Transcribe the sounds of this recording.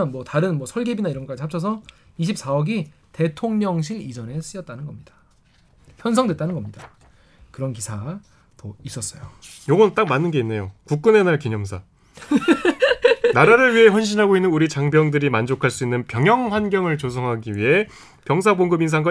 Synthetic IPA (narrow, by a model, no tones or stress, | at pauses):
ʌnmwʌtaɾɯnmwʌsʰʌɭɡebinaiɾʌnŋɡk͈ad͡ʑiɦʰap̚t͡ɕʰʌs̬ʰʌ | iɕʰip̚s͈aʌɡi | te̞tʰoŋɲʌŋɕ̬ʰiɾid͡ʑʌnes͈ɯjʌt̚t͈anɯnɡʌmɲid̥a | pʰjʌns̬ʰʌŋdwet͈anɯnɡʌmɲida | kɯɾʌnkisʰa | dois͈ʌs͈ʌjojoɡʌnt͈ak̚manːɯnɡe̞inːe̞jokuk̚k͈ɯne̞naɭkiɲʌmsʰa | naɾaɾɯɭɥiɦe̞ɸwʌnɕ̬ʰinɦaɡoinːɯnuɾit͡ɕaŋbjʌŋdɯɾimand͡ʑokʰaɭs͈uinːɯnpjʌŋjʌŋhwanɡjʌŋɯɭt͡ɕosʰʌŋɦaɡiɥiɦe̞ | pjʌŋs̬ʰaboŋɡɯbins̬ʰaŋɡa